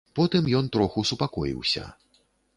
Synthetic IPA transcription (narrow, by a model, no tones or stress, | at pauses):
pɔt̪ɨmjɔnt̪ɾɔxusupakɔjḭwsʲɐ̰